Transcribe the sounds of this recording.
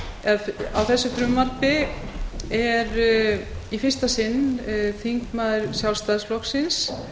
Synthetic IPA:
ɛða̰wθɛsːʏθɾʏmːat̪ɪ | ɛɾ | ifɪ̥st̪asɪnːθiŋkmaːðʏɾ̥sjawlst̪aðslɔksɪns

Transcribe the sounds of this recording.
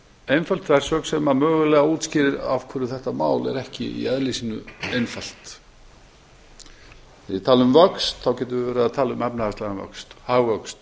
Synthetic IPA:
ejnfalt̪vɛɾ̥sœksɛmamœːɣʏlɛɣauːt̪scɪːɾɪɾa̰vkʰɛɾʏθɛht̪amaːwlɛ̰ɾɛhcɪ̰ḭɛðlisinʏejnfal̥t̪ | ɪt̪ʰaːlʏmvœkst̪θawcɛːt̪̬ʏvɪvɛːɾaaðt̪ʰaːlʏmɛpnaast̪aɣanvœ̰kst̪haːɣvœkst̪

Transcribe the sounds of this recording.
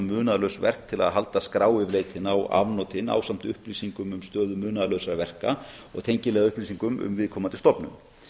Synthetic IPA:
mʏːnaðlœwsvɛ̰r̥k̚t̪ʰɪla̰ðɦalt̪askɾaːwɪvleːjt̪ʰɪnawa̰vnɔt̪ʰɪna̰ːwsam̥t̪ʏhpliːsiŋkʏmʏmst̪œːðʏmʏːnaðlœɥsaɾavɛr̥ka | ɔ̰ɣt̪ʰejɲcɪlɛɣaʏhpliːsiŋkʏmʔʏ̰mvɪðkʰɔːmant̪ʰɪlst̪ɔpnʏ̰m

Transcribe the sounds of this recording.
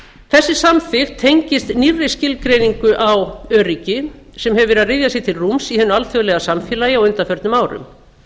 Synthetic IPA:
θɛsːɪsamfɪxt̪ʰːejɲcɪst̪nirːɪscɪlkɾejniŋkʏʔawœːɾicɪ | sɛmhɛvvɛɾaðrɪðjasɪt̪ʰɪlrumsihɛnːʏalθjœɣlɛɣasamfjɛːlajɪawʏnt̪afœɾt̪nʏmaːwɾʏ̰m

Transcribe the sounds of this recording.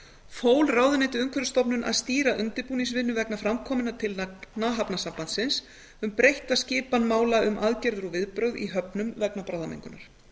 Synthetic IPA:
foːwlraːwðʏneːt̪ɪʏŋkʰvɛɾst̪ɔpnʏnʔa̰ðst̪iːɾaʔʏnt̪ɪɾpuːniŋsvɪnːʏvɛknafɾamkʰɔːmɪnat̪ʰɪlnaːɦapnasampant̪sɪns | ʏmpɾejht̪ascɪːpanmaːwlaʔʏmʔaðcɛɾðʏɾɔvɪðpɾœɥðḭɦœpnʏmvɛknapɾawðamḛŋkʏnaɾ̥

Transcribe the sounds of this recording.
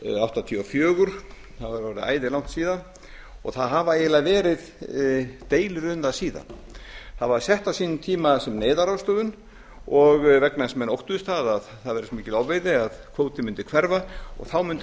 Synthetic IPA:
awht̪at̪ʰiɔfjœːɣʏɾ̥ | θavɾvɔɾɪa̰ːjðɪlawn̥t̪siːðan | ɔ̰ɣθaðɦavaelaðvɛːɾɪð | t̪eːjlɾʏnðasiːða̰nθaðvaɾsjɛht̪asiːnʏt̪ʰiːmasɛmnejðaɾawst̪oːðʏn | ɔɣvɛknasmɛnowht̪ʏðʏst̪aːðaðθaðvɛɾɪsmiːcɪlawvejðɪaðkʰvoːwt̪ɪmʏnt̪ɪkʰv̥ɛɾvaɔ̰ɣθawmʏnt̪

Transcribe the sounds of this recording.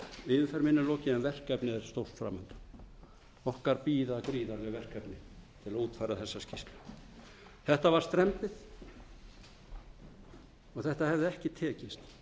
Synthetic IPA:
ɪːðɪnfɛɾmɪnːɪlɔːcɪɛnvɛr̥kɛpnɪɛɾ̥st̪owr̥fɾa̰ːmɛnt̪ʏ̥ | ɔhkaɾpiːðakɾiːðaɾlɛɣvɛr̥kɛpnɪt̪ʰɪlaðuːt̪faːjɾaθɛsːascist̪lʏ | θɛht̪avaɾ̥st̪ɾɛmpɪθ | ɔɣθɛht̪ahɛvðɪɛhcɪt̪ʰɛːcɪst̪

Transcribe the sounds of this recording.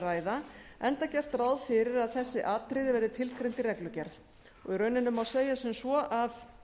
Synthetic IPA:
ɾaːjðaɛnt̪acɛr̥t̪rawðfɪɾɪɾaðθɛsːɪʔaːt̪ɾɪðɪvɛːɾðɪt̪ʰɪlkɾejnt̪iɾɛklʏcɛɾθ | ɔɣirœːɥnɪnʏmawseːjasʏmsvɔʔað

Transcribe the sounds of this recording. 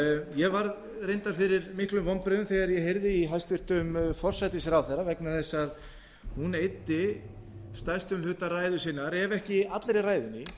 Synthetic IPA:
jɛvaɾð | rejnt̪aɾfɪɾɪɾmɪhklʏmvɔmpɾʏðʏmθɛɣaɾjɛhejɾðɪiɦajst̪vɪr̥t̪ʏmfɔr̥sajt̪ɪsɪɾawθɛɾːavɛknaθɛsːað | hunejt̪ɪ | st̪ajst̪ʏnlhʏt̪araːjðʏsɪːnːaɾɛvɛhcɪat̪lɾɪraːjðʏnɪ

